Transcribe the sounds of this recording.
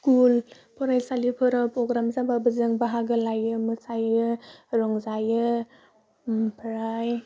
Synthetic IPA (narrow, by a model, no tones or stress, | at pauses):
skul | pʰɔɾajsalipʰɯɾɔpɾɔɡɾamzababɯzɯŋbaɦaɡɯlajɯmɯsajɯɾɔŋzajɯ | pʰɾaj